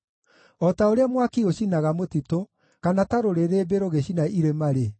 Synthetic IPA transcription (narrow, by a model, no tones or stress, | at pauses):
ɔtaoɾeamwakioɕinaɣamotito | kanataɾoɾeɾebeɾoɣeɕinaʔiɾemaɾe